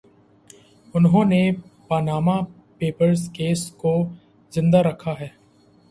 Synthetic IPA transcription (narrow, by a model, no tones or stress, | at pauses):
ʊnɦõːnepaːnaːma | peːpəɾskeːsko | zɪ̃nd̪aɾɐkʰaɦɛː